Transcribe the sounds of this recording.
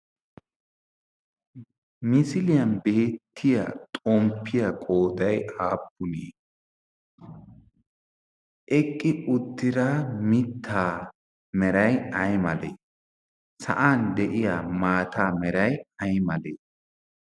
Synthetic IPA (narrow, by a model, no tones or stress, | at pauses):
mɪsɪlɪjɐnbe̞ːt̪ʰːɪja̰t̪ʼɔmpʰːɪjɐkʼoːd̪ɐjaːpːʊnḛː | ʔɛkʼːɪʊt̪ːɪɾamɪt̪ʰːaː | mɛɾɐjɐjmɐlḛː | sɐ̰ʔaːnd̪ɛʔɪjaːmaːt̪ʰaːmɛɾɐjɐjmɐleː